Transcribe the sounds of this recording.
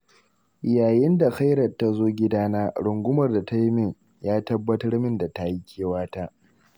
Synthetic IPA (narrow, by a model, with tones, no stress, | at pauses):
jaː˨jɪ˦nda˨xa˦jɾɐ˨rta˦zoː˦ɡʲɪ˦daː˦naː˦ɽʊ˨ŋɡʷʊ˦mɐ˨rda˨ta˦jmɪ˦˨ŋ | jaː˦tɐ˦bːɐ˦tɐ˦rmɪ˦nda˨ta˦ji˦kʲʰeː˦waː˦ta˦ʔ